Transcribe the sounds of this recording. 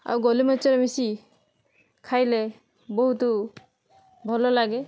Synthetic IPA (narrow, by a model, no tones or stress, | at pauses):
a̰wɡɔlimɔt͡ʃːɔɾɔmisi | kʰajle | boɦut̪ɔ | bʱɔlɔlaɡe